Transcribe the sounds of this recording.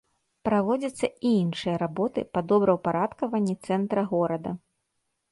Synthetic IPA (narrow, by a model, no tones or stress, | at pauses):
pɾavɔd͡zʲɐt̪sːɐiinʂɨjɐɾabɔt̪ɨ̰pad̪ɔbɾɐwpaɾat̪kɐvɐnʲːit̪sɛnt̪ɾɐɣɔɾɐd̪ɐ